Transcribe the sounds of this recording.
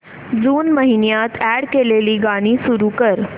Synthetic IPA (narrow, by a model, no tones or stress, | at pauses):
d͡zuːnməɦinjat̪ʰæɽkeleliːɡaɽ̃iːsuɾuːkəɾ